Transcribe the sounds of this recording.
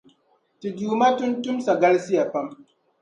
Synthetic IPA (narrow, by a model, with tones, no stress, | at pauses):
ti˨ɡuː˨ma˦tʊ˦ntʊ˦msa˨ɡɐ˦lsɪ˦ja˨ɸɐ˦m